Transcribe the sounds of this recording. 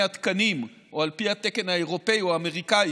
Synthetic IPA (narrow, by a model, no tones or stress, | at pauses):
at̪kanim | ʔoalpiat̪ekenaeʁopejoaːmeʁikaj